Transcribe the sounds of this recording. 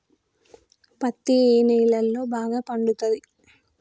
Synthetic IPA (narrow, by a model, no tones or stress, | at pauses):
pɐt̪ːieːnɛːlɐlːo̞ːbaːɡaːpɐɳɖut̪ɐd̪i